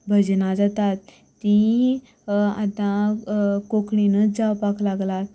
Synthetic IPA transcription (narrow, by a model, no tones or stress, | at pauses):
bʱəd͡ʑnad͡zat̪at̪ː | ĩ | at̪ã | kokɳinəd͡zawpaklaɡlat̪